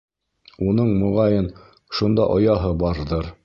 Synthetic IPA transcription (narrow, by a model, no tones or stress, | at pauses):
unɤɴmŏʁɑjɤn | ʃund̪ɑʔŏjɑɦɤbɑɾðɤɾ